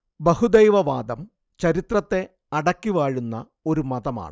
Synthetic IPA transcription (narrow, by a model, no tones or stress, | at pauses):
bɐhud̪ejʋɐʋaːd̪ɐm | t͡ɕɐɾit̪rɐt̪ːe̞ | ɐɽɐkʲːiʋaːɻunːɐ | o̞ɾumɐd̪ɐma̰ːɳɨ